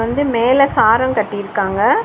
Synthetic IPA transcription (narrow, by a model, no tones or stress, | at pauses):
ʋɐnd̪ɯmeːlɐsaːɾɐmkɐʈːɪjɪɾɯkːaːŋɡɐ